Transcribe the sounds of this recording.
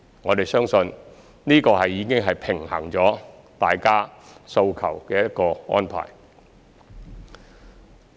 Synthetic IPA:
ŋɔː˨˧t̪e˨jsœː˥ŋsɵ˧n | niː˥kɔː˧ɦɐ˨jːiː˨˧kɪ˥ŋɦɐ˨jpʰɪ˨˩ŋhɐ̰˨˩ŋt͡sɔː˨˥ | t̪aː˨jkaː˥so˧wkʰɐ̰˨˩wkɛː˧jɐ˥t̚kɔː˧ɔ̰ː˥npʰa̰ː˨˩j

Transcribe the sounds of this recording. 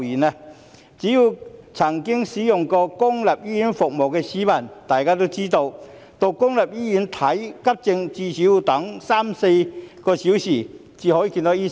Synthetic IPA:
jiː˨˩nɛ˧ | t͡siː˨˥ji˧wt͡sʰɐ˨˩ŋkɪ˥ŋsiː˨˥jʊ˨˩ŋkɔː˧kʊ˥ŋlɐ˨p̚jiː˥ji˨˥nfʊ˨k̚mo˨˩wkɛ˧siː˨˥mɐ˨˩nt̪aː˨jkaː˥t̪̬o˥wt͡siː˥t̪o˧w | t̪o˧wkʊ˥ŋlɐ˨˩p̚jiː˥jy˨˧˥nt̪ʰɐ˨˥jkɐ˥p̚t͡sɪ˧ŋt͡siː˧siː˨˥wu˨˧t̪ɐ˨˥ŋsaː˥mse˧jkɔː˧si˨˥wsiː˨˩ | t͡siː˧˩hɔː˨˥ji˨˧ki˧nt̪o˨˥jiː˥

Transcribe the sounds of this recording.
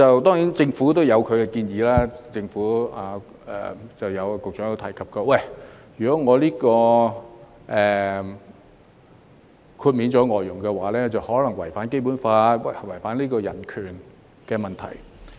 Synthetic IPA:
ɐ˨wt̪ɔː˥ŋji˨˥nt͡sɪ˧ŋfu˨˥t̪o˥wjɐ˨˧wkʰɵ˨˧ɥkɛ˧kiː˧njiː˨˧laː˥t͡sɪ˧ŋfuː˨˥a˨˧ | ɛ̰˨˩t͡sɐ˨wjɐ˨˧wkʊ˨k̚t͡ʃœː˨˥ŋjo˨˧wt̪ʰɐ̰˨˩jkʰɐ˨p̚kɔː˧wɐ˥˩jjyː˨˩kɔː˨˥ŋɔː˨˧liː˥kɔː˧ | ʔɛː˨˩ | kʰuː˧t̚miː˨˧nt͡sɔː˨˥ŋɔː˨˩jjʊ˨˩ŋkɛ˧waː˨˩lɛː˥t͡sɐ˨whɔː˨˥lɐ˨˩ŋwɐ˨˩jfaː˨˥nke˥jp̬uː˨˥nfaː˧wwɐ˨˩jfaː˨˥nliː˥kɔː˧jɐ̰˨˩nkʰyː˨˩n | kɛː˧mɐ˨nt̪ʰɐ̰˨˩j

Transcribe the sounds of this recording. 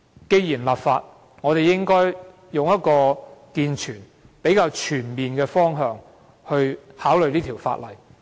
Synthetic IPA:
ke˧jiː˨˩nlaː˨p̚fa̰ː˧t̚ | ŋɔː˨˧ɾe˨jjɪ˥ŋkɔː˥j | jʊ˨ŋjɐ˥t̚kɔː˧kiː˧nt͡ʃʰyː˨˩n | pe˨˥jkaː˧wt͡ʃʰyː˨˩nmiː˨nkɛː˧fɔː˥ŋɦœː˧ŋ | hɵ˧ɥhaː˨˥wlɵ˨ɥniː˥t̪ʰi˨˩wfa̰ː˧t̚lɐ˨˩j

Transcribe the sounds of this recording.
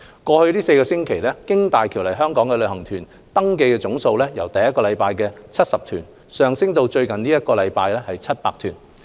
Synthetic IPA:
kɔː˧hɵ˧ɥliː˥se˧jkɔː˧sɪ˥ŋkʰe˨˩jlɛː˥kɪ˥ŋt̪aː˨jkʰi˨˩wlɐ˨˩jɦœː˥ŋkɔː˨˥ŋkɛ˧lɵ˨˧ɥhɐ˨˩ŋt̪ʰyː˨˩n | t̪ɐ˥ŋk̬e˧jkɛː˧t͡sʊ˨˥ŋso˧wlɛː˥jɐ˨˩wt̪ɐ˨jɐ˥t̚kɔː˧lɐ˨˧jpaː˧jkɛː˧t͡sʰɐ˥t̚sɐ˨p̚t̪ʰyː˨˩n | sœː˨˧ŋsɪ˥ŋt̪o˧wt͡ʃɵ˧ɥkɐ˨niː˥jɐ˥t̚kɔː˧lɐ˨˧jpaː˧jlɛː˥hɐ˨jt͡sʰɐ˥t̚paː˧k̚t̪ʰyː˨˩n

